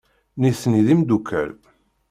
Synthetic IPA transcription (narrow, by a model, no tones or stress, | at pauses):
niθniðimd̪ukʰːæ̰l